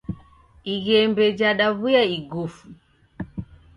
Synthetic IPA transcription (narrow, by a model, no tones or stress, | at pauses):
iɣɛmbɛd͡ʒaɗaβujaiɡufu